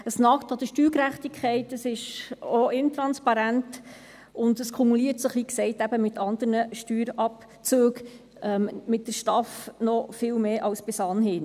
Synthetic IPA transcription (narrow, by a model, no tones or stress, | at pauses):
əsnɑktɑd̥̪əʃtyːɾkɾæχtikʰχɛɪtəsɪʃoɪnt̪ɾɑnspɑɾænt | ʊndəskʰumuliːətsəχiːksɛɪtæb̥əmɪtʰɑnd̪əɾnəʃtyːɾɑp | t͡søːɡ | ɛmmɪt̚dəɾʃtɑfnɔfɪlmeːʔɑlsb̥ɪsɑnhɪn